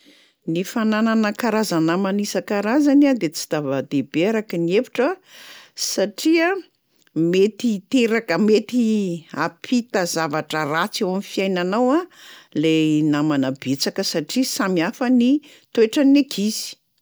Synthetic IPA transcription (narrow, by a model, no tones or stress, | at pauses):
nifanananəkaɾazanamanisakaɾazaniad̪et͡si̥d̪avad̪ebeɾakəniefi̥ʈ͡ʂə | saʈ͡ʂia | met̪it̪eɾakəmet̪iapʰit̪azavaʈ͡ʂərat͡sewamifiajnanawalenamanabet͡sakəsaʈ͡ʂisamiafəni | t̪ueʈ͡ʂənekʰizi̥